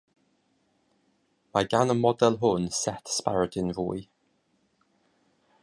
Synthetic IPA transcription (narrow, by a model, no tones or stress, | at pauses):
maɡanəmɔdɛlˠɦʊnsɛtspa̰ɹədɪnɹuːj